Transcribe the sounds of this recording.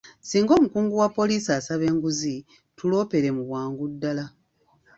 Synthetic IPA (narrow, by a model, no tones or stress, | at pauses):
siːŋɡo̞ːmukuːŋɡuwapːo̞liːsiasaβe̞ːŋɡuzi | tulo̞ːpe̞ɾe̞muβwaːŋɡudːala